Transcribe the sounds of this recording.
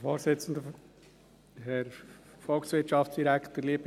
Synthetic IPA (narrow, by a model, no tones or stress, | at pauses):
foːɾsɪt͡sn̩də | hɛɾ | fɔlksʋɪt͡ʃɑftt͡ssd̥iɾækʰtəɾliəb